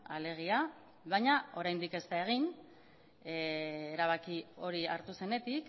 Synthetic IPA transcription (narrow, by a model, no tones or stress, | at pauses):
ale̞ɣ̞ia | βajɲao̞ɾajnd̪ike̞st̪ae̞ɣ̞in | eɾaβ̞akio̞ɾiaɾt̪use̞ne̞t̪ik